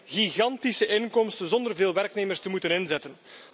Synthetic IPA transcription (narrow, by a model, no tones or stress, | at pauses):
ɣiɣɑntisəʔɪnkɔmstəzɔnd̪ərveːlˠʋɛrkneːmərstəmutənɪnzɛtən